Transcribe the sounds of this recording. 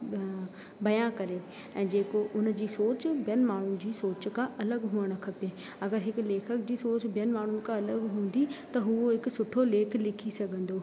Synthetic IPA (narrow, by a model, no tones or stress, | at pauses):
bɐjãkɐɾe | ɛ̃ːd͡ʑeːkoʔʊnd͡ʑiːsoːt͡ɕbjənmaːɳ̤ʊn̆d͡ʑiːsoːt͡ɕkãʔɐləɡɦũːəɽ̃kʰɐpeː | ɐɡəɾɦɪkleːkʰəkd͡ʑiːsoːt͡ɕbʱjənmaːɳ̤ʊnɪ̆kãɐləɡɦũːn̆d̪it̪ɐɦʊoɦɪksʊʈʰoleːkʰlɪkʰisɐɡʱə̃nd̪oː